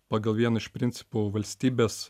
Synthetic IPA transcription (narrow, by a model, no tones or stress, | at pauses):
pɑːɡɐlˠʋʲiɛnɐɪʃpʲɾʲɪnʲt̪sʲɪ̥pʊʋɐlʲsʲt̪ʲiːbʲeːs